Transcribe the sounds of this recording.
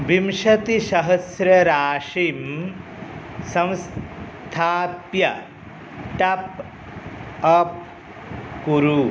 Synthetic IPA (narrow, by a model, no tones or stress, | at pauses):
bʱimʃɐt̪iʃɐɦɐsɾɐɾaːʂim | sɐ̃ms | t̪ʰaːpjɐ | ʈɐp | ɐp̚ | kuɾu